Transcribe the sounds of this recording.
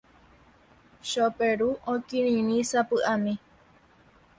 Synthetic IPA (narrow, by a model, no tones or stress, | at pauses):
ʃopeɾuõkĩɾĩɾĩsapɨʔamĩ